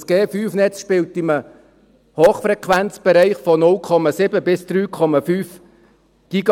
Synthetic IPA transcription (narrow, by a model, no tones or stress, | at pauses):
sɡ̥eːfyːfnɛt͡sʃpɪltɪmə | hoːχfɾɛkʰʋænt͡sb̥ɛɾɛɪχfɔnʊlkʰɔmɑsɪbəbɪsd̪̥ɾyːkʰɔmɑfyːf | ɡ̥iɡɑ